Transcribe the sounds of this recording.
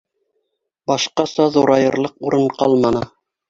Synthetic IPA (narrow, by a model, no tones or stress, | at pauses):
bɑʃqɑsɑðuɾɑjɤ̆ɾlˠɤquɾɤɴqɑlˠmɑnɤ